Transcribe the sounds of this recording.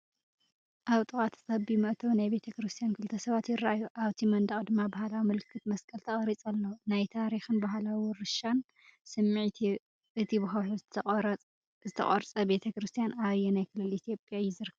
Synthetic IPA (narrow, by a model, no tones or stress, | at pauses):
ʔaβt̪ʼɨkʼat̪ʰt̪ɐbimɨʔt̪ʰɐwnajbe̞t̪ʰɐkɾɨst̪ʰijankʰɨlt̪ʰɐsɐβat̪jɪrːaʔajuʔaβt̪ʰimɐnd̪ɐχʼd̪ɨmːabahalawimɨlkʰːɨt̪mɐskʼɐlt̪ʰɐχʼɐɾit͡sʼɐlːonajt̪ʰaɾixɨnbaɦlawʊɾɨʃan | sɨmːiʕt̪ʰi | ɨt̪ʰibɨxɐħu | zɨt̪ʰɐ̰χʼɐɾt͡sʼɐbe̞t̪ʰɐkɾɨst̪ʰjanaβjɛnajkʰɨlːɨlit̪ʰjo̞pʼjajːɪzɨɾkʰːɐβ